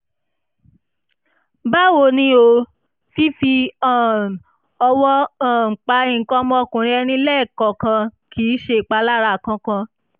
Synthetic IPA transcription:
ba˦wo˧nĩ˧˦o˧ | fi˦fi˧ã˨ | ɔ˧wɔ˦ã˦˨k͡pa˧˦ĩ˨kɔ˧˦mɔ̃˧˨kũ˨ɾ̃ĩ˦ɛ˧nĩ˧˦lɛ˦˨kɔ˨kã˧kʰi˨˦ʃe˦˨k͡pa˧˦la˦ɾa˧˨kã˧kã˧

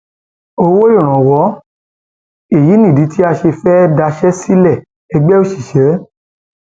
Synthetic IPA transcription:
o˧wo˦ɔ̃˦˨ɾ̃ã˨wɔ˨˦ | e˦˨ji˨˦nĩ˦˨di˨˦ti˨˦a˧ʃe˧fɛ˦da˧ʃɛ˦si˦lɛ˦˨ | ɛ˧ɡ͡bɛ˦o˦˨ʃi˨ʃɛ˨˦

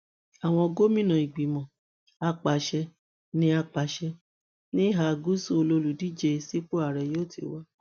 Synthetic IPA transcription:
a˨w̃ɔ̃˧ɡo˦mĩ˦nã˨i˨ɡ͡bi˨mɔ̃˨ | a˧k͡pa˨ʃɛ˧ | nĩ˧˦a˧k͡pa˨˧ʃɛ˧ | nĩ˦ɦa˧˨˧ɡu˦su˦o˧lo˧lu˨di˦d͡ʒe˧si˦k͡po˦a˦˨ɾɛ˧˨joː˦˨ti˨˦wa˦

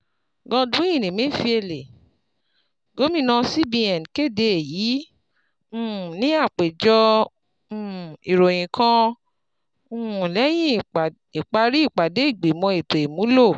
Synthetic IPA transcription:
ɡɔ̃˧dũ˨˦ĩ˦˨nĩ˨mĩ˦˨fi˧e˧le˨ | ɡo˨˦mĩ˦˨nã˧si˦bi˧ɛ˨n˨ke˦˨de˧e˨ji˨˦ | ũ˦˨nĩ˨˦a˦˨k͡pe˨d͡ʒɔ̃˧˦˨ | i˨ɾo˨j̃ĩ˨kʰã˧ | ũ˦˨lɛ˨˦j̃ĩ˦˨ | i˨k͡pa˧ɾi˦i˦˨k͡pa˨de˨˦i˦˨ɡ͡be˨mɔ̃˧e˨to˨e˨mũ˨˦lo˦˨

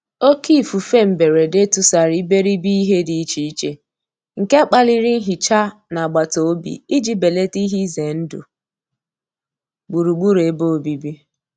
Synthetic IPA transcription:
o˦ki˦˨fu˨fe˦m̩˨be˨ɾe˨de˦tu˨sa˨ɾi˦be˦ɾi˦bi˦i˦ɦe˦di˨i˦t͡ʃi˨i˦t͡ʃe˦ | ŋ̩˨ke˦k͡pa˦li˦ɾi˦n̩˦ɦi˨t͡ʃa˦na˨ɡ͡ba˨to˨o˦bḭ˨i˦d͡ʒi˦be˨le˦ti˦ɦi˦ze˨n̩˦dṵ˨ | ɡ͡bu˨ɾu˨ɡ͡bu˦ɾe˨˦bo˦˨o˨bi˨bi˦

